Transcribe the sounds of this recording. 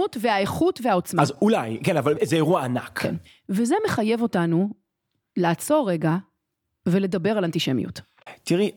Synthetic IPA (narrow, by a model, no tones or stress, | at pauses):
utveaeχutvehao̞t͡smaazulajkenavalzeeʁuaanakkʰḛn | veze̞me̞χaje̞vo̞tanu | laːt͡so̞ʁeɡa | ve̞le̞dɐbeʁalantiʃemḭṵt | tiʁi